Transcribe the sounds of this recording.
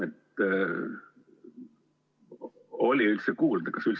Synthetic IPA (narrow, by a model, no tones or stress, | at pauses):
et̪ːˑ | o̞lʲiylt̪sekuːld̪ɑkɑsylt̪s